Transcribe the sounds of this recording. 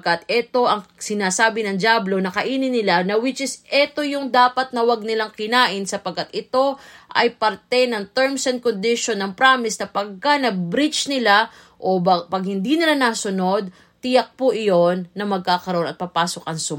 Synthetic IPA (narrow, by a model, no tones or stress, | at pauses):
kɐt̪ɛt̪o̞ʔɐŋsɪnaːsaːbɪnɐŋd͡ʒablo̞nɐkɐʔiːnɪnɪlanɐwɪt͡ʃɪsʔɛt̪o̞jʊŋd̪aːpɐt̪̚nɐwɐɡ̚nɪlaŋkɪnaːʔɪnsɐpɐɡkːɐt̪ʔɪt̪o̞ʔɐjpɐɾt̪ɛnɐŋt̪ɛɹmsɛnd̪̚kond̪ɪʃonːɐŋpɾaːmɪsnɐpɐɡ̚kanɐbɾit͡ʃnɪla | ʔo̞bpɐɡ̚hɪnd̪iːnɪlanasʊno̞d̪̚ | t̪ɪjɐk̚pʊʔɪjo̞nːɐmɐɡ̚kaːkɐɾɐʔo̞nɐt̪̚pɐpaːso̞k̚ʔɐŋsʊm